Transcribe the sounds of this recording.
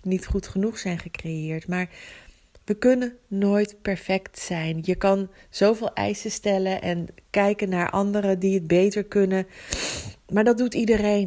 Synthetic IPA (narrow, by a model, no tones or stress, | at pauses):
nitχutχənuχsɛjnχəkrejɪːɹtmaːɹ | ʋəkɵnənːoːjtpɛɹfɛktsɛjnjəkɑn | z̥owvɪːlˠʔɛ̰jsəstɛləʔɛnkɛjkənːaːɹʔɑ̰ndəɾədiəd̚bejtəɹkɵnə | maːɹdɑd̚utidərejn